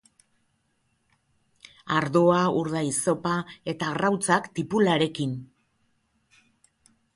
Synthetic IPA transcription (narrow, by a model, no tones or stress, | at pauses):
aɾðo̞auɾðajso̞pae̞t̪aɣrawt͡sakt̪ipulaɾe̞kin